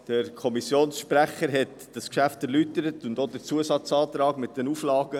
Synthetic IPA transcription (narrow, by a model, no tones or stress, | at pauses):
d̥əɾkʰɔmisjoːnsʃpɾæχəɾɦɛt | d̥ɑskʃæftɛɾlytəɾətʊndod̥əɾt͡suəsɑt͡sɑːt̪ɾɑːɡmɪt̚d̥ɛnuflɑːɡə